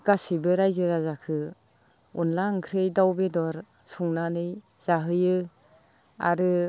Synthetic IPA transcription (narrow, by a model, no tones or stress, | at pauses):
kasibɯɾajzɯɾazakʰɯ | unlaŋkʰɾɯjdawbedɔɾ | suŋnanɯj | z̥aɦɯjɯ | a̰ɾɯ